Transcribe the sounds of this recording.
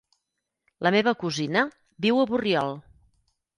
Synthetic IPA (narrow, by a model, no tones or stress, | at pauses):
ləmeβəkuzinə | biwəβuriɔlˠ